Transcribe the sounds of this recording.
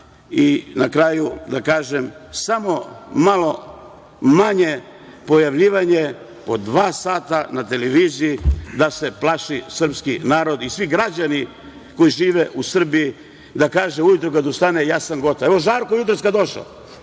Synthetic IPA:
inakɾaːjud̪akaːʒemsamo̞malˠo̞ | maɲe̞ | po̞jaʋʎiːʋaɲe̞ | po̞d̪ʋaːsaːt̪anat̪e̞leʋiːzijid̪ase̞plˠaʃisr̩pskinaːɾo̞d̪isʋiɡɾad͡ʑani | kojiʒiːʋeʔusr̩biji | d̪akaːʒeujut̪ɾukad̪ust̪anejaːsanɡo̞t̪aeʋo̞ʒaːɾkojut̪ɾoskad̪o̞ʃa̰

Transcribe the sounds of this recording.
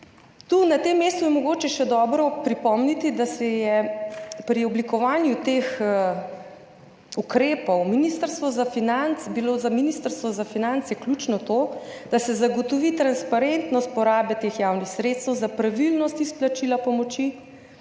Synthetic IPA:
t̪unat̪emːeːst̪ujɛmɔɡoːt͡ʃɛʃɛd̪ɔːbɾɔpɾipɔmnit̪id̪asɛjɛpɾiɔblikɔʋaːnjut̪ex | ukɾeːpɔwminist̪əɾst̪ʋɔzafinant̪sbilozaminist̪əɾst̪ʋɔzafinant̪sjɛklut͡ʃnɔt̪od̪̥asɛzaɡɔt̪ɔʋit̪ɾanspaɾent̪nɔst̪̚pɔɾaːbɛt̪exjawnixsɾet̪st̪ɛwzapɾaʋilnɔst̪isplat͡ʃilapɔmɔt͡ʃi

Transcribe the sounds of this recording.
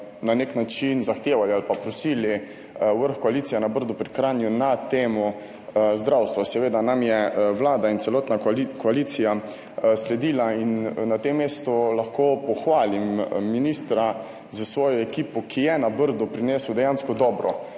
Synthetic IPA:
naneknat͡ʃinzaxt̪eːʋalialpapɾɔsiːli | ʋəɾxkɔaliːt̪sijɛnabəɾd̪upɾikɾaːnjunat̪eːmɔ | zd̪ɾawst̪ʋasɛʋeːd̪anamjɛʋlaːd̪aint̪sɛlɔːt̪nakɔaliːt̪sija | slɛd̪iːlainnat̪emːeːst̪ɔlaxkoːpɔxʋaːlimːiniːst̪ɾa | zəsʋɔːjɔɛkiːpɔkʰijɛnabəɾd̪ɔpɾinɛːsəwd̪ɛjaːnskɔd̪ɔːbɾɔ

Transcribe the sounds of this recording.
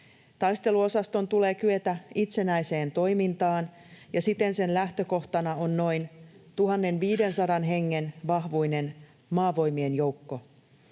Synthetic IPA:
t̪ɑjst̪e̞luo̞sɑst̪o̞nt̪ule̞ːkyøt̪æit̪se̞næjse̞ːnt̪o̞jmint̪ɑːn | jɑsit̪e̞nse̞nlæht̪ø̞ko̞ht̪ɑnɑo̞nːo̞jnt̪uɦɑnːe̞nʋiːde̞nsɑdɑnɦe̞ŋːenʋɑhʋujne̞n | mɑːʋo̞jmienjo̞uwkːo̞

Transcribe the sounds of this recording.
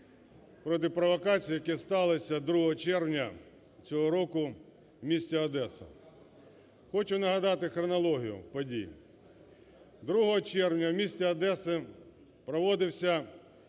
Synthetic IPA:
pɾɔt̪̬ɪpɾɔʋɐkɑt͡sʲijijɐkɛst̪ɑlˠɪsʲɐd̪ɾuɦɔɦɔt͡ʃɛrwnʲɐ | t͡sʲɔɦɔɾɔkʊ | wmʲisʲtʲɐɐd̪ɛsɐ̰ | xɔt͡ʃʊnɐɦɐd̪ɑt̪ɪxɾɔnɐlˠɔɦʲijʊ̰pɔdʲḭj̰ | d̪ɾuɦɔɦɔt͡ʃɛrwnʲɐwmʲisʲtʲɛɐd̪ɛsɪ | pɾɔʋɔd̪ɪwsʲɐ

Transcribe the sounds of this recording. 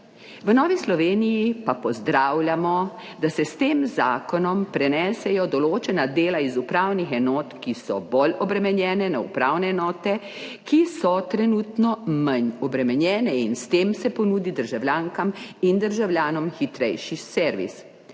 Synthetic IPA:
ʋənɔːʋislɔʋeːnijipapɔzd̪ɾaːwlʲjʲamɔ | d̪asɛst̪eːmzaːkɔnɔmpɾɛnɛsɛjɔd̪ɔloːt͡ʃɛnad̪eːlaizupɾaːwnixɛnɔːt̪kisɔbolɔbɾɛmɛnjɛːnɛnaṵpɾaːwnɛɛnɔːt̪ɛ | kʰisɔt̪ɾɛnut̪nɔmaɲɔbɾɛmɛnjɛːnɛinst̪eːmsɛpɔnuːd̪id̪əɾʒawlʲjaŋkamind̪əɾʒawljaːnɔmxit̪ɾɛjʃisɛɾʋḭs

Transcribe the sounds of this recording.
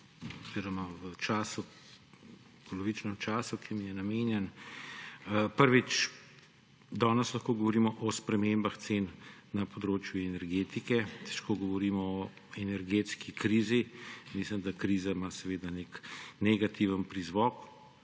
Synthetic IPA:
ɔz̥iɾɔmaʋət͡ʃaːsu | pɔlɔʋit͡ʃnɛmt͡ʃaːsukʰimijɛnamenjɛn | pəɾʋit͡ʃ | d̪ɔːnəslɐxkoːɡɔʋɔɾiːmɔʔɔspɾɛmembaxt̪senːɐpɔd̪ɾoːt͡ʃjuɛnɛɾɡeːt̪ikɛt̪ɛ̥ʃkoɡɔʋɔɾiːmɔɔ | ɛnɛɾɡeːt̪skikɾiːzimislimd̪akɾiːzaimaːsɛʋeːd̪aneknɛɡat̪ʰiʋənpɾizʋɔk

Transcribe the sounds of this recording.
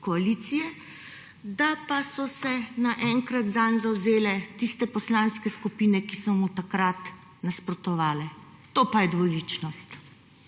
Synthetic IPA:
kɔaliːt̪sijɛ | d̪apasɔsɛnaʔɛŋkɾat̪zanzawzeːlɛt̪ist̪ɛpɔslanskɛskupiːnɛkisɔmut̪akɾat̪ | naspɾɔt̪ɔʋaːlɛt̪oːpajɛd̪ʋɔliːt͡ʃnɔst̪

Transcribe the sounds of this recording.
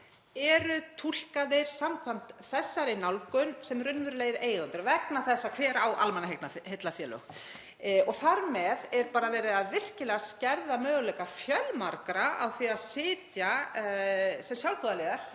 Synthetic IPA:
ɛɾʏt̪ʰul̥kaðɪɾ̥samkʰvam̥t̪θɛsːaɾɪnawlkʏnsɛmrʏnvʏɾleːjɪɾeːjɣant̪ʏɾvɛknaθɛsːakʰv̥ɛːɾawʔa̰lmɛnaɦet̪nahɪt̪lafjɛːlʏ̰ | ɔɣθaɾmɛðɛɾpaːɾavɛːɾɪðaðvɪr̥cɪlɛːɣascɛɾðamœːɣʏlɛkafjœlmaɾkɾaa̰wθiaðsɪːt̪ja | sɛmsjawlpʰɔðalɛɣaɾ̥

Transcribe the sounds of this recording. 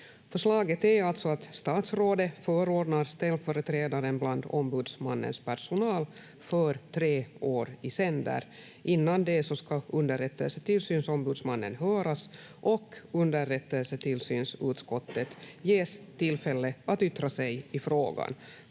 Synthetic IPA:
fœʂɭɑːɡət̪ɛɾalt̪sɔat̪st̪ɑːt̪sɾoːd̪əfœːɾoːɖnaɾst̪ɛlːfœːɾət̪ʰɾeːd̪aɾənbland̪ɔmbʉːd̪smanːə̰nspʰæɾʂʊnɑːl | fœɾt̪ʰɾeːoːɾɪsɛnd̪ə̰ɾ | ʔɪnːand̪ɛsɔskaɵnd̪əɾɛt̪ːɛlsəʈ̪ɪlsyːnsɔmbʉːd̪smanːə̰nɦœːɾas | ʔɔkɵnd̪əɾɛt̪ːəlsəʈt̪ʰɪlsyːnsʉːt̪skɔt̪ːət̪jeːst̪ʰɪlfɛlːəat̪ʏt̪ːɾasɛjɪfɾoːɡa̰n

